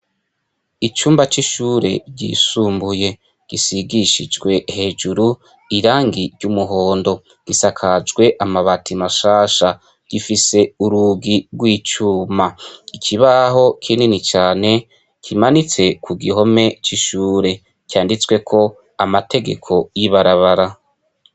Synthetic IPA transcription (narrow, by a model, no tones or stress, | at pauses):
it͡ʃuːmbat͡ʃiʃuːɾe̞̰ɟḭːsuːmbuje̞ | ɡ̥isiɡiʃid͡ʒwe̞he̞ːd͡ʒuɾu | iɾaːŋɡiɾɟumuɦo̞ːndo̞ | ɡ̥isakʰad͡ʒɡwe̞ʔamaβatʰimaʃaːʃa | ɡ̥ifise̞uɾuːɡiɾɡwiːt͡ʃuːmaikʰiβaɦo̞kʰininit͡ʃaːne̞ | kʰimanit͡se̞kʰuɡiɦo̞me̞t͡ʃiʃuːɾe̞ | kʰʲaːndit͡swe̞kʰo̞ | amatʰe̞ɡe̞̰kʰo̞jiβaɾaβaɾa